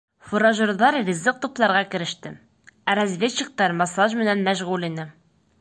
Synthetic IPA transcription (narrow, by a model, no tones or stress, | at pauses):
fuɾɑʑŏɾðɑɾrʲizːɤq̚t̪uplˠɑɾʁɑkɘ̆ɾɘ̆ʃt̪ɘ | æɾæzvʲet͡ɕːɘ̆k̚t̪ɑɾmɑsɑʑmɘ̆nænmæɕʁulinɘ